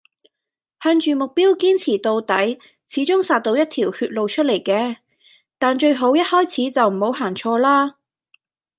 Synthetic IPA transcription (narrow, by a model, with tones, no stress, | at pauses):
hɐː˧nt͡ʃyː˨mʊ˨k̚piː˥wkiː˥nt͡sʰiː˨˩t̪o˨˧wt̪ɐ˨˥j | t͡sʰiː˨˥t͡ʃʊ˥ŋsaː˨˧t̚t̪o˧wjɐ˥t̚t̪ʰiː˨˩whyː˧t̚lo˨˧wt͡ʃʰɵ˥t̚le˨˩jkɛː˧ | t̪aː˨nt͡ʃɵ˧ɥɦo˨˥wjɐ˥t̚hɔː˥jt͡sʰiː˨˥t͡sɐ˨wm̩˨˩ho˨˥wɦaː˨˩nt͡ʃʰɔː˧laː˥